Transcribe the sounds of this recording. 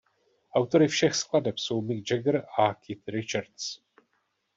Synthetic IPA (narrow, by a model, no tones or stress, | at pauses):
ʔawt̪o̞ɾɪfʃɛxskladɛpso̞wmɪɡ̚d͡ʒɛɡɾakʰɪt̪ɾɪt͡ʃaɾt̪s